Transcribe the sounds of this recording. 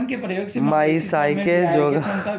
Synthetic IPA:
maisaːjked͡ʒoːɡ

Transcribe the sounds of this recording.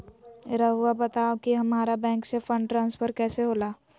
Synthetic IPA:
ɾɐɦuabɐt̪aːokiɦɐmaːɾabɛ̃ːŋksefə̃ɳɖʈɾãːnspʰəɾkɛːseɦoːlaː

